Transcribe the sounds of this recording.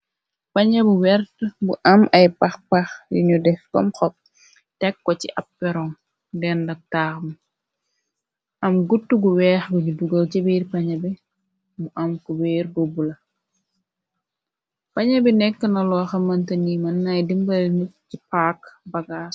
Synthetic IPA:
pɐɲɐbuwɛrtbuʔɐmɐjpɐxpɐxdḭɲudɛfkɔ̰mxɔp̚ | tɛkːɔciʔɐpːɛɾɔŋ | dɛndɐk̚taːxmɐ | ʔɐmɡutːuɡuwɛːxɡuɲuduɡɐlcibiːrpɐɲɐbi | muʔɐmkɔweːɾbobulɐ | pɐɲɐbinɛkːənɐlɔːxɐmɐntɐnimɐnːajdimbɐlnut̚cipaːkbɐɡaːs

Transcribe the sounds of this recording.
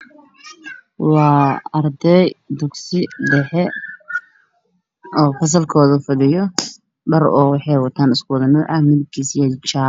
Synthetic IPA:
wɑːɐrd̪ɛjd̪ʊɡsɪɖɛħɛ | ɔːfɐs̬ɐlkʰɔːðɐfɐðɪjɔ | ɖɐrɔːwɑħɑjwɑt̪ʰaːnɪskʰʊwðɐnɔːʕɑmɪðɪb̚kʰiːsjɐt͡ʃaː

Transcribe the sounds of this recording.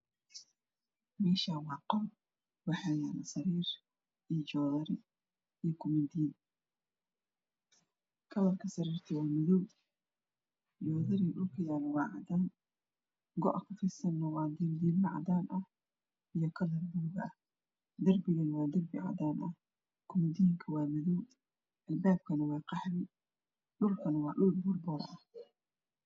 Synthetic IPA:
mɛːʃaːwɑːqɔ | wɑħɑːjanɐsɐɾiːr | ʔijd͡ʒɔːðɐɾɪ | ijkʰʊmɐnd̪iːn | kʰɐlɐrkʰɐsɐɾiːrt̪ʰɛwɑːmɪðɔw | d͡ʒɔːðɐɾiɗʊlkʰɐjaːlwɑːʕɑ̰d̪aːn | ɡɔ̰ʔɐkʰʊfɪsɐnːɐwɑːd̪iːnd̪iːlnɐʕɑ̰d̪aːnʔɐh | ʔijɞkʰɐlɐrbuːɣɐɐ | d̪ɐrbɪɣɐnwɑːd̪ɐrbɪʕɑ̰d̪aːnʔɐh | kʰʊmd̪iŋkʰɐwɑːmɪðɔw | ʔɐlbaːb̚kʰɐnɐwɑːqɑhrɪ | ɗʊlkʰɐnɐwɑːɗʊlbʊrbɔːɾʔɐ̰h

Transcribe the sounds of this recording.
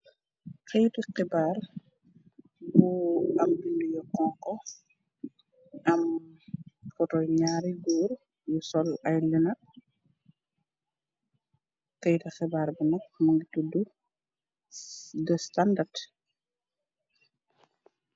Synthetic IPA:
kɛjtixɛbaːr | buɐmbindujɔkɔŋkɔ | ɐm | kɔtɔjɲaːɾiɡuːɾ | jusɔlɐjlinɐ | kɛjtɛxɛbaːɾbunɐk̚muŋɡitudu | dəstandard

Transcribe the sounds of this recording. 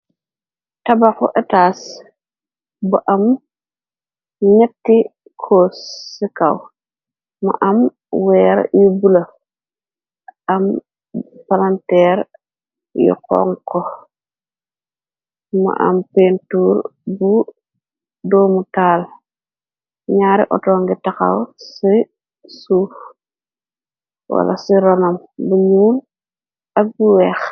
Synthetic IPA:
tabakṵʔɛtaːs | buʔam | ɲɛtːi | kʰosːikaw | ma̰ʔam | wɛːɾ̰jubula | ʔam | palantɛɾ | jɔ̰kɔ̰ŋkɔ | ma̰ʔa̰mpentuːɾbu | doːmutaːl | ɲaːɾḭʔɔ̰toːŋɡitaka̰wsi | suːf | wa̰la̰siɾonam | buɲuːn | ak̚buwɛːx

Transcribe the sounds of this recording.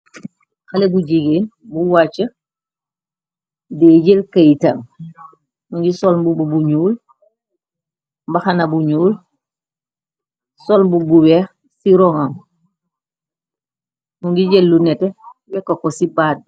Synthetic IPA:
xalebuɟiɡeːn | buwat͡ʃːa | deːɟelkajita̰ŋ | nuɲɡisolmbububuɲuːl | mbaxanabuɲuːl | solmbubuweː | siɾoŋam | nuɲɡiɟelːunɛtewɛkːokosibaːd̚

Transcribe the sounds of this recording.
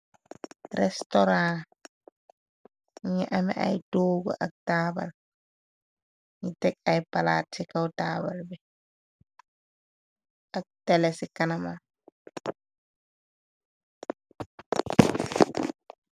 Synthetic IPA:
ɾɛstɔɾã | ɲɛʔamɛa̰jdoːɡɔ̰ʔa̰k̚taːba̰l | ɲitɛkajpala̰ːtʰikawdaːbalbɛ | ʔak̚tɛlɛsikanama

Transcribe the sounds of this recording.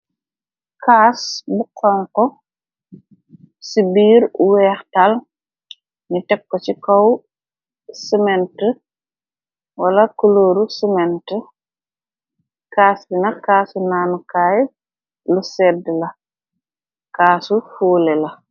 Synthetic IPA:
kaːsbukʰːɔŋkɔ | sibiːɾwɛːxtal | nitɛkːɔt͡ʃikɔw | səmɛntə | wɐlɐkuloːɾusimɛntə | kaːsinɐkaːsunaːnukaːj | lusɛdlɐ | kaːsufuːlɛlɐ

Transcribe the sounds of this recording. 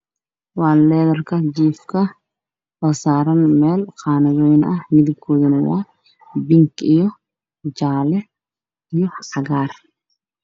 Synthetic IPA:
waːnlɛːd̪ɐrkɐd͡ʒiːfkɐ | ʔɔsaːɾɐnmɛːlqaːnɐɡoːjɪnɐhmɪd̪ɪkʰːoːd̪ɪnwaː | bɪŋkɪjɔ | d͡ʒaːlɛ | ɪjɔħɐɡaːɾ

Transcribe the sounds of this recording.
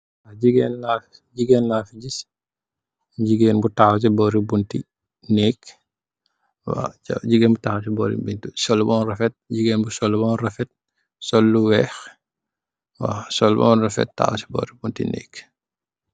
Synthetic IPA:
waɟiɡɛnlaf | ɟiɡɛnlaːfiɟis | ɲɟiɡeːnbutaːxs̬ɛbɔːɾibunti | nɛːk | wa̰a̰ɟiɡɛːnbutaxasɛbɔːɾḭbintusɔlːbɔːnrɐfɛt̚ɲɟiɡeːnbusɔlːubɔːnrɐfɛt̚ | sɔlːuwɛːx | wa̰sɔlbɔ̰nrɐfɛ̰tta̰ːw̰sɛ̥bɔ̰ːɾibuntḭnɛ̰ːk

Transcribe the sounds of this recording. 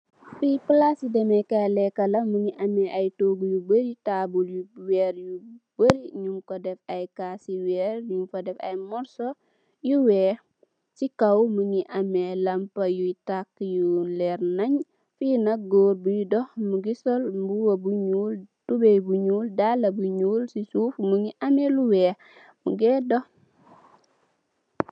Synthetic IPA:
fijpəlasidɛmɛkalɛkːɐlɐməɲiʔɐmɛʔɐjtoːɡujubəɾitabuljuwɛɾjub̥əɾiɲumkɔdɛfɐjkaːsiwɛːɾɲumfɔdɛfɐ̰jmɔɾsɔ | juwɛː | sikɐwmuɲiʔɐmɛlɐmpɐjujtakːjulɛɾnɐɲ | finɐɡoːɾbujudɔhmuɡisɔlmbuwɐbuɲuːltubɛbuɲuːldalɐbuɲuːlsisuːfmuŋiʔɐmeluwɛː | mṵɡɛːdɔh

